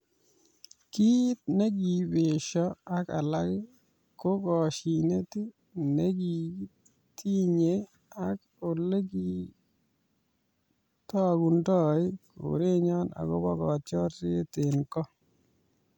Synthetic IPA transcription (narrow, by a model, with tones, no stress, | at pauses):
ki˦t̪̚ne˦ɡi˨be˨ʃɔ˦a˨ka˨la˦ɡɪ˦ | ko˦ɡɔ˨ʃi˨ne˦ti˦ | ne˦ɡi˨ | ti˦ɲe˦ | a˦k | o˨le˦ɡi˦ | tɔ˦ɡu˨ndɔ˦ɪ˦ko̰˨ɾe˦ɲɔ˦na̰˨ɡɔ̰˦bɔ˦ɡɔ˨t͡ʃɔ˦ɾtɪ˦t̪ɪ˨nkɔ˦